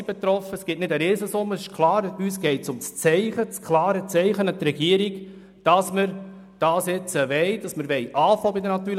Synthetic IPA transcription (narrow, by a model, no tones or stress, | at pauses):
ib̥ɛt̪ɾɔfəsɡ̥ɪtnɪdəɾeːsəsʊmːəsɪʃkʰlˠɑːɾyːsɡ̥ɛɪtsʊmt͡st͡sɛɪχət͡skʰlɑːɾət͡sɛɪχənət̪ɾɛɡiəɾiɡ | d̥ɑsməɾ | d̥ɑːsɪt͡səʋɛɪd̥ɑsməɾʋɛɪʔɑːfɔːbɪdənɑt̪ːyːɾ